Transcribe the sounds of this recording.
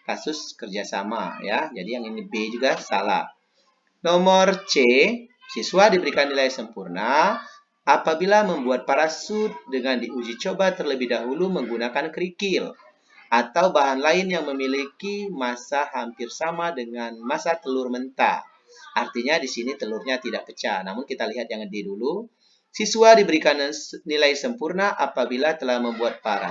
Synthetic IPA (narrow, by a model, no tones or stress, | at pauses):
kasʊskərd͡ʒasa̰ma̰jad͡ʒadijaŋinibed͡ʒuɡasa̰la̰h | nɔmɔrt͡ʃe | sisuadibəɾikanːilajsəmpurna | apabilaməmbuat̪̚paɾasʊt̪̚dəŋandiud͡ʒit͡ʃobat̪ərləbɪhdaɦuluməŋɡunakankəɾikɪl | ʔat̪awbaɦanlaɪnjaŋməmilikimasahampɪrsamadəŋanmasat̪əlʊrmənt̪a̰ | ʔart̪iɲadisinit̪əlʊrɲat̪idaʔkət͡ʃa̰namʊnkit̪aliɦat̪̚jaŋədidulu | sisuadibəɾikannilajsəmpurnaʔapabilat̪əlahməmbuat̪̚paɾa̰